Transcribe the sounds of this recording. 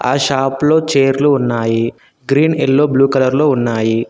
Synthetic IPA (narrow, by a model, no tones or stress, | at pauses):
aːʃaːplo̞ːt͡ʃeːɾluːnːaːji | ɡɾiːnelːoːbluːkɐlɐɾloːunːaːji